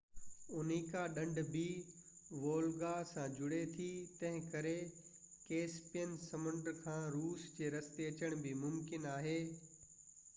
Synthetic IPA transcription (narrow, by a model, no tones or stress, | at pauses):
ʊniːkaɗɐ̃ɳɖbi | ʋoːlɡasãːd͡ʑʊɽet̪ʰit̪ɐ̃ɦɪ̃kɐɾe | keːspijənɪsɐmə̃ɳɖɾkʰãːɾuːsd͡ʑeːɾɐst̪eɐt͡ɕəɽ̃bɪmʊmkɪnaːɦeː